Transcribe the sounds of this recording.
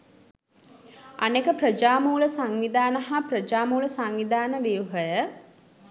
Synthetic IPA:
a̰nekəprəd͡ʒaːmuːləsaŋʋid̪aːnəɦaprəd͡ʒaːmuːləsaŋʋid̪aːnəʋijuɦəjə

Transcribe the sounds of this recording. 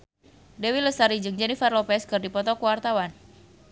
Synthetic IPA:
dewiləsaɾid͡ʒɨŋd͡ʒɛnifarlopɛskɨrdipɔt̪ɔkuwart̪awan

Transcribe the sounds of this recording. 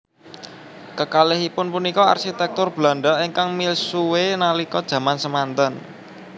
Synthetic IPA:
kəkalɪɦipʊnpunikɔa̰rʃit̪ɛk̚t̪ʊrb̥la̤ɳɖaʔiŋkaŋmilsuwenalikɔd̥ʒ̥ä̤mansəmant̪ən

